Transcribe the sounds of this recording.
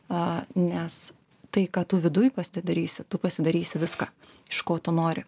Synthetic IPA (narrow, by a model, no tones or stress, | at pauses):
ɐnʲɛs | t̪ɐɪkɑːt̪ʊːʋʲɪd̪ʊjpɐsʲɪd̪ɐɾʲiːsʲɪt̪ʊpɐsʲɪd̪ɐɾʲiːsʲɪʋʲɪskɑː | ɪʃkoːt̪ʊnoːɾʲɪ